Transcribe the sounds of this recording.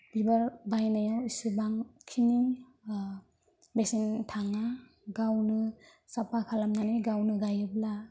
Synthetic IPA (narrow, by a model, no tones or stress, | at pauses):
b̥ibaɾbajnajawisubaŋkʰini | besintʰaŋa | ɡawnɯsapʰakʰalamnanɯjɡawnɯɡajɯbla